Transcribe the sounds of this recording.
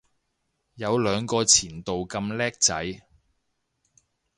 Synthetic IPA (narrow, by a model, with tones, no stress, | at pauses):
jɐ˨˧wlœː˨˧ŋkɔː˧t͡sʰiː˨˩nt̪o˨wkɐ˧mlɛː˥k̚t͡sɐ˨˥j